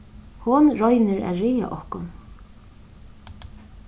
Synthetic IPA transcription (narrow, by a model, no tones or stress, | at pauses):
hʊnɹɔjnɪɾæ̰ðɾɪːa̰ʔɔhkʊn